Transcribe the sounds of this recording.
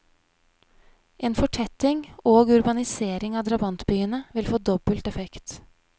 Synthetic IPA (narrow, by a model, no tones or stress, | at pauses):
ʔeːnfɔʈʰɛt̪ɪŋoːɡʉɾbɑnɪseːɾɪŋɑːd̪ɾɑbɑnt̪byːənəʋɪlfoːd̪ɔbəlt̪ɛfɛkt̪